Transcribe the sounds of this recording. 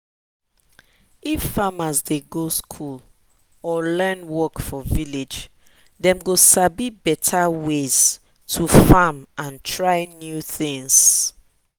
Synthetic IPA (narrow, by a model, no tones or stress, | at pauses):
ifːamazdeɡoskʰul | ɔlɜnwɔkfɔviled͡ʒ | dɛ̃mɡosabibɛtʰawez̥ | tʰufamʔãntʰɹaɪnjuθĩŋs